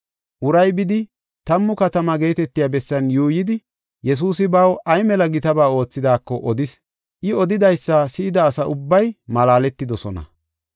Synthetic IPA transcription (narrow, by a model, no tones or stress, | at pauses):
ʔʊɾɐjbɪd̪ɪ | t̪ɐmːʊkɐt̪ɐmɐɡe̞ːt̪ɛt̪ːɪjaːbɛsːɐnjuːjɪd̪ɪ | jɛs̬uːsɪbɐwɐjmɛlɐɡɪt̪ɐbaːo̞ːt͡sːɪd̪aːkːɔʔɔd̪ɪs | ʔɪɔd̪ɪd̪ɐjsːasɪɪd̪ɐːsɐʔʊbːɐjmɐlaːlɛt̪ːɪd̪ɔsɔnɐ̰